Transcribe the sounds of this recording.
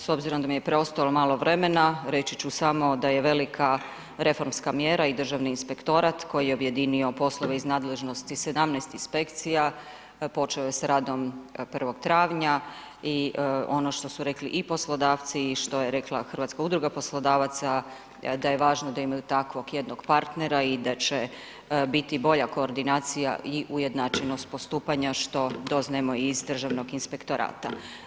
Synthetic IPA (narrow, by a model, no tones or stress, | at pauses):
so̞bziɾond̪amijepɾeo̞st̪alomaːlˠo̞ʋɾe̞me̞naɾe̞t͡ɕit͡ɕusamo̞d̪aje̞ʋe̞likʰa | ɾe̞fo̞ɾmskamjeːɾaid̪r̩ʒaʋniːnspe̞kt̪o̞ɾat̪ko̞jijeobje̞d̪inio̞po̞slˠoʋeiznaːd̪le̞ʒno̞st̪ise̞d̪amnɛst̪inspe̞kt̪sija | po̞t͡ʃeojesɾaːd̪o̞mpr̩ʋo̞ɡt̪ɾaːʋɲa | io̞no̞ʃt̪o̞suɾe̞klḭʔipo̞slˠo̞d̪aːʋt̪siʃt̪o̞jeɾe̞klˠaxr̩ʋat̪skaud̪ɾuɡapo̞slˠod̪aːʋat̪sa | d̪ajeʋaːʒnod̪aimajut̪akʋo̞ɡjed̪no̞ɡpaɾt̪neɾaid̪at͡ʃe | bit̪ibo̞ʎako̞ːɾd̪inaːt̪sija̰iʔujed̪nat͡ʃeno̞st̪̚po̞st̪uːpaɲaʃt̪o̞d̪o̞znamo̞izd̪r̩ʒaʋno̞ɡinspe̞kt̪o̞ɾʔa̰ːt̪a